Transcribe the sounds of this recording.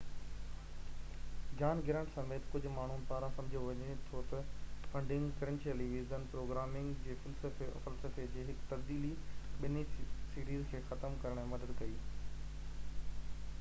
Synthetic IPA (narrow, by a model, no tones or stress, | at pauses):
d͡ʑaːnɡɪɾə̃ɳʈsɐ̃meːt̪kʊd͡ʑʱʊ̆maːɳ̤unɪpaːɾãsɐ̃md͡ʑʱioʋɐɲet̪ʰot̪ɐfɐ̃ɳɖɪ̃ŋɡkɐɾẽnsiəliːʋiːzənpɾoːɡɾaːmɪ̃ŋɡd͡ʑeːfɐlsəfeʔɐ̰fəlsəfed͡ʑeːɦɪkt̪ɐbd̪iːliɓɪnisiːɾiːzkʰeːxɐt̪əmkɐɾəɽ̃mɐd̪əd̪kɐiː